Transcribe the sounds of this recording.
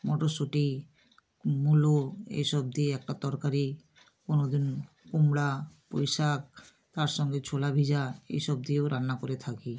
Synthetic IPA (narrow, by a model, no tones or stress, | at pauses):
mɔʈoʃoʈi | muloḛjʃɔb̚d̪ieɛk̚ʈat̪ɔɾkaɾi | konod̪in | kumɽapo̰jʃak̚ | t̪aɾʃɔŋɡet͡ɕʰolabʱid͡ʑaḛjʃɔb̚d̪ioɾanːakoɾet̪ʰaki